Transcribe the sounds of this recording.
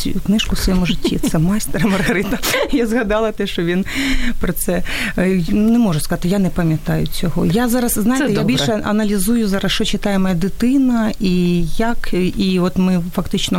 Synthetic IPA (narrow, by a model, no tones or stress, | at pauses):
juknɪʃkʊsʋɐjɛmʊʐɪtʲːit̪sɛmɑjst̪eɾɐmɐrɣɐɾɪt̪ɐjazɣɐd̪ɑlˠɐt̪ɛʃt͡ʃɔʋʲinpɾɔt̪sɛ | nɛmɔʐʊskɐzat̪ɪjanɛpɐmʲjɐt̪ɑjʊt͡sʲɔɦɔjazɑɾɐsznajɪt̪ɛjabʲilʲʃɛɐnɐlʲizujʊzɑɾɐsʃt͡ʃɔt͡ʃɪt̪ɑjemɐjɐd̪ɪt̪ɪnɐijɐkiɔt̪mɪfɐkt̪ɪt͡ʃnɔ